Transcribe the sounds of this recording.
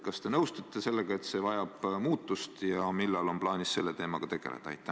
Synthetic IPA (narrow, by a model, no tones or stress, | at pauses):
kɑst̪e̞nɤwst̪ɑt̪ːˑe̞se̞lːe̞ɡ̥ɑe̞t̪se̞vɑjɑb̥muːt̪ˑːust̪jɑmilːɑlo̞nplɑːnisse̞lːe̞t̪e̞ːmɑɡ̥ɑt̪e̞ɡ̥e̞̰lḛd̪̥ɑɑ̰jt̪ːˑæ